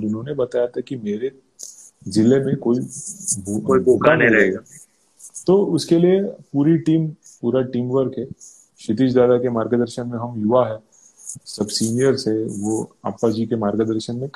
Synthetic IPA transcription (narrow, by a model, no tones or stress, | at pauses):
ɾʊnɦõːnebɐt̪aːjat̪ʰakimeːɾe | zɪlemẽkoːibʱuoibʱuːkanɦĩɾɐɦeɡa | t̪oːʊskeliepuːɾiʈiːm | puːɾaʈiːmʋəɾkɦɛ | ʃɪt̪̬iːd͡ʒd̪aːd̪akemaːɾɡəd̪əɾʃənmẽɦɐmjʊʋaɦɛː | sɐbsiːnijəɾseʋoa̰ːpad͡ʒikemaːɾɡəd̪əɾʃənmẽk